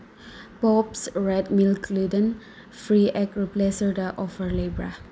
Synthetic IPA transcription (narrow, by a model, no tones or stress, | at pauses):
pɔpsɹɛd̚milkʰlidə̃n | fɹiʔɛkɹiplesədəʔɔfhəlebɹa̰